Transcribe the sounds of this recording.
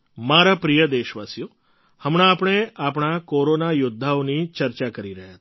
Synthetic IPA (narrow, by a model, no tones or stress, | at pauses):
maɾapɾijəd̪eʃʋasjo | həmɽ̃aːpɳ̃eapɳ̃akoɾonajʊd̪ʱːaonit͡ʃəɾt͡ʃakəɾiɾəɦjat̪